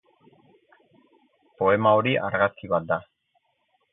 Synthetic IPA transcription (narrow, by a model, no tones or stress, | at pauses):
po̞e̞mao̞ɾiʔaɾɣaskiβat̪̚d̪a